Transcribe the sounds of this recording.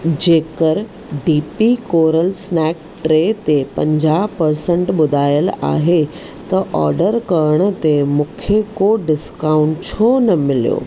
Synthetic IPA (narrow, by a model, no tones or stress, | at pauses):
d͡ʑeːkəɾ | ɖiːpikoːɾəlsnɛːk̚ | ʈɾeːt̪epɐ̃ɲd͡ʑaːɦpɐɾsə̃ɳʈɓʊd̪ʱaːjəla̰ːɦe | t̪ɐʔɔ̰ːɾɖəɾkɐɾɽ̃ət̪emʊkʰjekoɖɪskaːʊ̃ɳʈt͡ɕʰonɐmɪlijo̰ː